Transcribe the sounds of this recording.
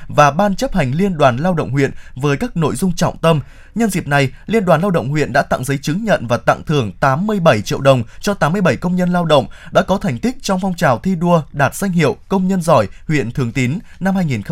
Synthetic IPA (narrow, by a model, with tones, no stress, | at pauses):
vaː˨˩ɓaː˧nt͡ɕə˦˥p̚ha˨˩ŋ̟li˧ənɗwaː˨˩nlaː˧wɗə̰˧˨wŋ͡mhwḭ˧˨ənvəː˨˦jkaː˦˥k̚no̰˧˨jzʊ˧ŋ͡mt͡ɕɔ̰˧˨wŋ͡mt̪ə˧m | ɲə˧nzḭ˨˩əp̚na˨˩jli˧ənɗwaː˨˩nlaː˧wɗə̰˧˨wŋ͡mhwḭ˧˨ənɗa̰ː˧˥t̪a̰˧˨ŋzə˨˦jt͡ɕɨ˨˦ŋɲə̰˧˨nvaː˨˩t̪a̰˧˨ŋt̪ʰɨ˨˧˩əŋt̪aː˨˦mːɨ˧əjɓə˧˩jt͡ɕḭ˧˨əwɗə˨˩wŋ͡mt͡ɕɔ˧t̪aː˨˦mːɨ˧əjɓə˧˩jkə˧wŋ͡mɲə˧nlaː˧wɗə̰˧˨wŋ͡mɗa̰ː˧˥kɔ˨˦t̪ʰɛ˨˩jŋ̟t̪ï˦˥k̟̚t͡ɕɔ˧wŋ͡mfɔ˧wŋ͡mt͡ɕaː˨˩wt̪ʰi˧ɗu˧əɗaː˨˩t̚z̥a˧jŋ̟hḭ˧˨ə˨wkə˧wŋ͡mɲə˧nzɔ˧˩jhwḭ˧˨ənt̪ʰɨ˨˩əŋt̪i˨˦nna˧mhaː˧jŋi˨˩n